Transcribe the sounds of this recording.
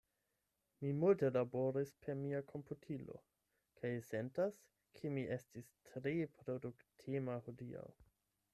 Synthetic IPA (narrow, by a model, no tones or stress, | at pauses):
mimulte̞laboɾispʰe̞ɾmiakʰo̞mputʰilo̞̰ | kʰajse̞ntas | kʰemiʔe̞stistʰɾepɾoduktʰimahodia̰w